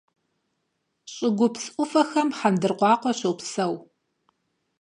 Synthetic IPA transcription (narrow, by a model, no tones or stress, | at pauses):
ɕʼɪɡʷʊpsʔʷʊfɐxɐmħandɨrqʷɑːqʷɔɕowpsɐw